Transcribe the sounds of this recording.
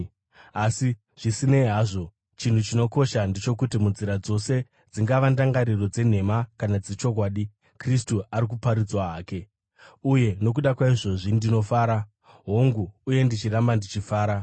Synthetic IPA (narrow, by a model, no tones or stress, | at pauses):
asi | ʐ̥isine̞ɦaːʐo̞ | t͡ʃin̤ut͡ʃino̞ko̞ʃandet͡ʃo̞kutimunziɾad͡zo̞se̞ | d͡ziŋɡaʋandaŋɡaɾiro̞d͡ze̞n̤e̞makanad͡zet͡ʃo̞kwaːɗi | kristuaɾik̬upaɾid͡zwaaːke̞ | uje̞no̞k̬uɗakwaiʐo̞ʐindino̞faːɾa | ɦoŋɡuːje̞ndit͡ʃirambandit͡ʃifaːɾa